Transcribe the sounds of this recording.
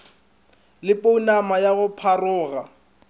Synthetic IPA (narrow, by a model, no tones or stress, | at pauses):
lɪpʼounamajaɣʊpʰarʊːɣa